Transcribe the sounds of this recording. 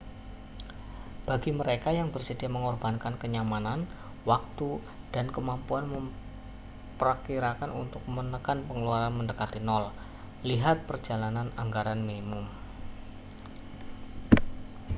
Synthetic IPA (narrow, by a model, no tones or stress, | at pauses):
b̥aɡiməɾekajaŋbərsəd̥iaməŋɔrbankankəɲamanan | wak̚t̪u | d̥ankəmampuanməm | pəɾəkiɾakanʔṵnt̪ʊk̚mənəkanpəŋəluaɾanməndəkat̪inɔl | liɦat̪̚pərd͡ʒalananaŋɡaɾanminimʊm